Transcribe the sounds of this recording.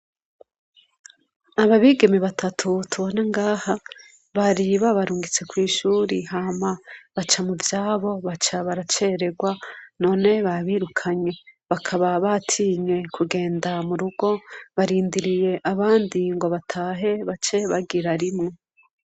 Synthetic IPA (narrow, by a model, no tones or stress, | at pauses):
aβaβiɡe̞miβatʰatʰutʰuβoneŋɡaːha | βaɾiβaβaɾuːŋɡit͡se̞kwiːʃuːɾihamaβat͡ʃamuvjaːβo̞βat͡ʃaβaɾat͡ʃe̞ɾe̞ɡwano̞ːne̞βaβiːɾukʰaɲe̞βakʰaβaβatʰiːɲe̞kʰuɡe̞ːndamuɾuɡo̞βaɾiːndiɾije̞ʔaβaːndiŋɡo̞βatʰaːɦe̞βat͡ʃe̞βaɡiɾaɾimŋe